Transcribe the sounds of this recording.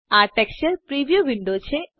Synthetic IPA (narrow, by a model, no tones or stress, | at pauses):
aʈɛkst͡ʃəɾpɾiʋijoʋiɳɖot͡ɕʰe